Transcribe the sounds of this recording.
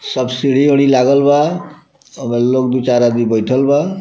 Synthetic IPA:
sʌbsiɽioɽ̃ilaɡʌlba | ʌmelok̚d̪ut͡saɾad̪ibʌjʈʰʌlba

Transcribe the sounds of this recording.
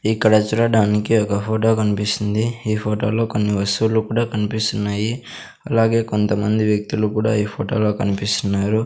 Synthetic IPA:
ikːɐɽɐt͡ʃuɽɐɖaːnikiɔkɐpʰoːʈo̞ːkɐnipist̪ind̪iiːpʰoːʈo̞ːlo̞ːko̞nːiʋɐst̪uulukuːɽaːkɐnipist̪unːaːji | ɐlaːɡe̞ːkont̪ɐmɐnd̪iʋjɐk̚t̪ulukuːɽa̰ːiːpʰoːʈo̞ːlo̞ːkɐnipist̪unːaːɾu

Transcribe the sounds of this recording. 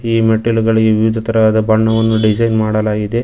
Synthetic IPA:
iːmeʈelɡɐɭiɡeʋiʋid̪ʱɐt̪ɐɾɐʋaːd̪ɐbɐɳːɐʋɐnːuɖid͡ʒɐjnmaːɽɐlaːɡid̪e̞

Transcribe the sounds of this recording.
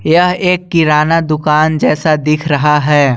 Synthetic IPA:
jɐɦeːkːɪɾaːnad̪ʊkaːnd͡ʒɛːsad̪ɪkʰɾɐɦaɦɛː

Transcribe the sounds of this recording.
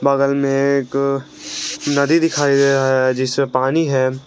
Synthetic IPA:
baːɡəlmẽek | nɐd̪id̪ɪkʰaːid̪eaɦɛd͡ʒɪsmẽpaːniɦɛː

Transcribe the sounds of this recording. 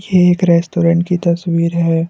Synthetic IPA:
jeeːkɾɛːsʈoːɾə̃ɳʈkit̪ɐswiːɾɦɛː

